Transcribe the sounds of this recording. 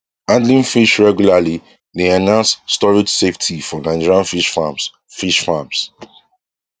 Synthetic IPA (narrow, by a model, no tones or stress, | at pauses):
ãndlĩnfiʃɹɛɡjulali | deanãʊ̃nsstɔɹidseftʰifɔnãɪ̃d͡ʒɛɹiãnfiʃfams | fiʃfams